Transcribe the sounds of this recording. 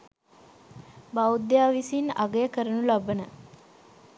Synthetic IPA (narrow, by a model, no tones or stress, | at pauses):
bawd̪jaːʋisinaɡəjəkəɾənulabənə